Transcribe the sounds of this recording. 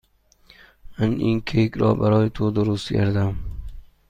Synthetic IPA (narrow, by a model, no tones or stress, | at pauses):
maninkʲʰekʲɾɒ̰ːbæɾɒːjɪt̪ʰod̪ʊɾʊst̪kʰa̰ɾd̪am